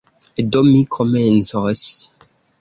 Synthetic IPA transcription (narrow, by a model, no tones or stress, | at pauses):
edomikʰɔmɛ̃nsɔs